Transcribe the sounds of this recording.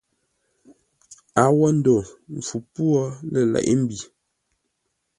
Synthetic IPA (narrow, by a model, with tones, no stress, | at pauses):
a˨˦wɔ˦n̩˦do˨ɱ˨fu˨pwɔ˦lɛ˨lɛ̰˨ʔḭ˦m̩˦bi˨